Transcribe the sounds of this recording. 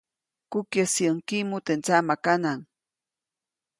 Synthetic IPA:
kʊkjasjaŋkimʊt̪ent͡samakanaŋ

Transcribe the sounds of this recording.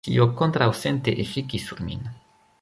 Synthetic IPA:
ḭokont̪ɾawsent̪eʔefikisuɾmḭn

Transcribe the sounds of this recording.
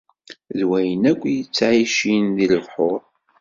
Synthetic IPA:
ðwæjənækʷːjət͡sːʕiʃinðiləvħʊɾˤ

